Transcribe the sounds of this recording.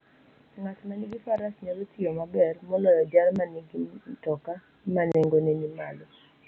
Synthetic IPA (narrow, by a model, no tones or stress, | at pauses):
ŋat͡ʃmaniɡifaɾasɲalotɪomabɛrmɔlɔjɔdjarmaniɡitɔka | maneŋɡonenimalo